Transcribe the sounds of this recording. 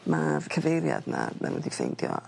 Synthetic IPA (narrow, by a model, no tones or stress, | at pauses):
makʰəvejɾjadnananwɛdifejndjɔ